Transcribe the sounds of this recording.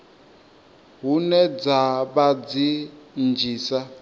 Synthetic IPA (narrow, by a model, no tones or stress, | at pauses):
ɦunɛd͡zaβad͡zind͡ʒiːsa